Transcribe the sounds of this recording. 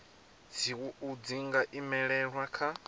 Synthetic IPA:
d͡zʰiwuud͡ziŋɡaʔimɛɺɛɺwakʰa

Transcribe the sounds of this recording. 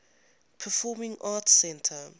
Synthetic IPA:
pʰəfɔmɪ̃ŋaːtsɛ̃ntʰə

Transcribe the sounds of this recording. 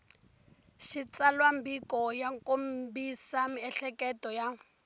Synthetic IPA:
ʃit͡salwambikɔjaŋkombisamiɛɬɛkɛtɔja

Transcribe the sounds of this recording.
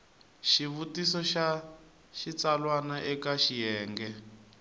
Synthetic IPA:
ʃiβutisɔʃa | ʃit͡salwanaʔɛkaʃijɛːŋɡɛ

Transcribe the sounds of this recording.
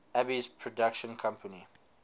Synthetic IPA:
æbizpʰɹɔdakʃə̃nkʰãmpʰəni

